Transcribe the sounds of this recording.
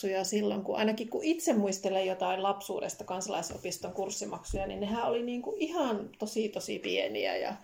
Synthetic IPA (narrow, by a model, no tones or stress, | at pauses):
ujɑsilːoŋkuʔɑ̰inɑkikkuʔit̪semmuist̪elejot̪ɑillɑpsṵːdḛst̪ɑkɑnsɑlɑ̰iso̰pist̪oŋkursːimɑksujɑnḭnnehæˑoliniːŋkuʔihɑnt̪osiːˑt̪osḭpienḭæ̰jɑ̰